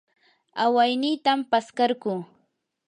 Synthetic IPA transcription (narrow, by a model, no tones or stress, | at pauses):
awajnɪjt̪ampaskaɾɢʊː